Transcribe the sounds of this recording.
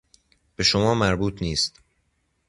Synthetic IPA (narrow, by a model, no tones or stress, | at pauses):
b̥e̞ʃomɒːmæɾbuːt̪ʰniːst̪